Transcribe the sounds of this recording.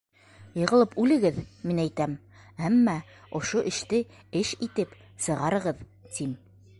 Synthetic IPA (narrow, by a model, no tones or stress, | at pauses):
jɤ̆ʁɤ̆lˠɤpʉlɘ̆ɡɘðminæjt̪æm | æmːæ | ŏʃoʔɘ̆ʃt̪ɘ | ɘʃit̪ɘp | sɤ̆ʁɑɾɤ̆ʁɤð | t̪im